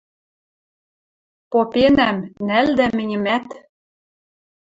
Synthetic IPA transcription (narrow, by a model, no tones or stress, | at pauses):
popenæmnæld̪æmɘ̆nʲɘ̆mæt̪